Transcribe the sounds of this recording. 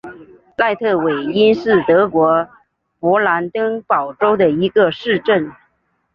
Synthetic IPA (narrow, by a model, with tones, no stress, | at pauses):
la˥˧ɪt̪ʰɤ˥˩we˨˩ɪi˥nʂɻ̩˥˩t̪ɤ˧˥kwɔ˧˥ | pwɔ˧˥la˧˥nt̪ɤ˥ŋpɑ˨˩ʊʈ͡ʂo˥ʊd̪ə˨i˧˥ɡə˧ʂɻ̩˥˧ʈ͡ʂə˥˩n